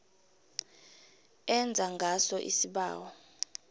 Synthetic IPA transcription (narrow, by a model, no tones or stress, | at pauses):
ɛnd͡zʱaŋɡʱasɔʔḭsiɓa̰ːwɔ